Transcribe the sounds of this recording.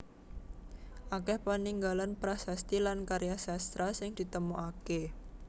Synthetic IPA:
ʔakɛhpaniŋɡalanpɾasast̪ilankaɾjasast̪ɾasɪŋd̪̥i̤t̪əmuake

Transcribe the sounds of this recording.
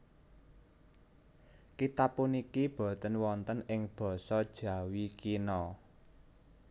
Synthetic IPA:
kit̪apːunikib̥ɔ̤t̪ənwɔnt̪ənɪŋb̥ɔ̤sɔd̥ʒ̥ä̤wikinɔ

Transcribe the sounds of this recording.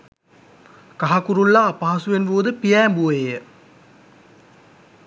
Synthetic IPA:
kaɦakuɾulːaːpaːsuʋenʋoːd̪əpijɛːmbuejə

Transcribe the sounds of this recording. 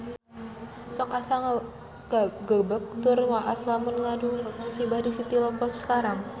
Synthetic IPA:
sɔkasaŋ | ɡɡəbək̚t̪ʊrwaʔaslamʊnŋaduk̪̚mənsibahdisit̪ilɔpɔsə̥kaɾaŋ

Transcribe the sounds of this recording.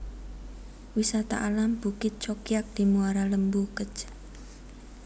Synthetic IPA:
wisat̪a̰ʔalamb̥ṳkɪt̪̚t͡ʃɔkijak̚d̪̥i̤muaɾaləmbukət͡ʃ

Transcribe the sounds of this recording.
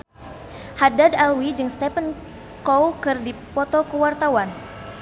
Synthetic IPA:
hadadalwid͡ʒɨŋst̪ɛpən | kowkɨrdipɔt̪ɔkəwart̪awan

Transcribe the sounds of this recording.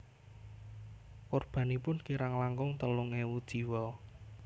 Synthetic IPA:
korb̥a̤nipʊnkiɾaŋlaŋɡʊŋt̪əlʊŋewud̥ʒ̥i̤wɔ

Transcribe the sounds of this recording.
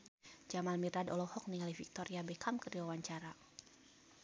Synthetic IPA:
d͡ʒamalmiradɔ̰lɔhɔk̚niŋalifik̚t̪ɔɾiabɛkʰamkədiwawaɲt͡ʃaɾa

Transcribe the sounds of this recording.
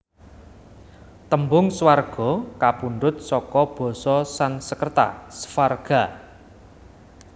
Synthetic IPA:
t̪əmbʊŋswarɡ̥ɔ̤kapunɖʊt̪̚sɔkɔb̥ɔ̤sɔsansəkərt̪a̰sə̥farɡ̥a̤

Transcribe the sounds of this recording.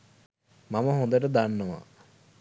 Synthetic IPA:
maməɦõnd̪əʈəd̪anːəʋa̰

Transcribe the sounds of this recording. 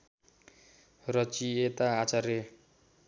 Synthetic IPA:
rʌt͡ʃiet̪aːt͡saɾe

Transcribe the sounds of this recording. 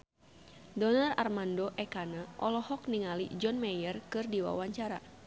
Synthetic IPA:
dɔnara̰rmandoʔɛkanaʔɔlɔhɔk̚niŋalḭd͡ʒɔnmajərkɨrdiwa̰waɲt͡ʃaɾa

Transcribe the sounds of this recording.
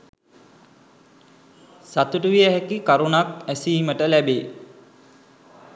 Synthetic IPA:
sat̪uʈuʋiəɦɛkikaɾunakæsiːməʈəlæbeː

